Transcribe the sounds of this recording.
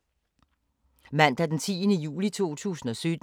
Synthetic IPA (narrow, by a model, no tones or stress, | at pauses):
mæn̰d̥æd̥ent͡sʰḭːənəjṵːlit͡sʰo̝̰ːt͡sʰṵːsn̩ɒ̽sød̥